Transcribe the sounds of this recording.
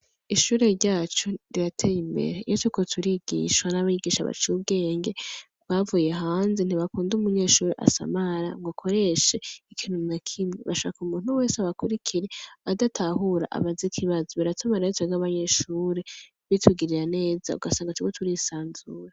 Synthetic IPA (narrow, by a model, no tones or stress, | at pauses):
iʃuːɾe̞ɾɟaːt͡ʃoɾiɾatʰejimbe̞̰ɾe̞ijotuiko̞tʰuɾiɡ̥ḭːʃwanaβajiɡiːʃa̰βa̰t͡ʃiubɡe̞ːŋɡe̞ | βavuje̞ɦaːnzen̥iβakuːndumuɲe̞ːʃuːɾeʔa̰sa̰maɾa̰ŋɡokʰo̞ɾe̞ʃe̞ikʰinunakʰimɲeβa̰ʃoakumuːn̥huwe̞ːseaβakuɾikʰiɾeadatʰahuɾa̰ʔa̰βazikʰiβazoβaɾatʰamaɾetaɡaβaɲe̞ʃuːɾe | βitʰuɡiɾiɾane̞ːza̰ṵɡasaːŋɡatuikotʰuɾisaːnzuɾa